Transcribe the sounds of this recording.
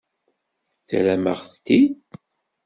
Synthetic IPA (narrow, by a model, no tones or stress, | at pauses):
θæ̰læməʁθt̪ːid̪